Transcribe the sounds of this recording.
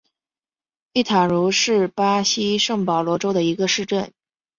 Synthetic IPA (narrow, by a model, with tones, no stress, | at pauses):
i˥˩t̪ʰa˨˩ɻu˧˥ʂɻ̩˥˩pa˥ɕi˥ʂɤ˥˩ŋpɑ˨˩ʊlwɔ˧˥ʈ͡ʂo˥ʊd̪ə˨i˧˥ɡə˧ʂɻ̩˥˧ʈ͡ʂə˥˩n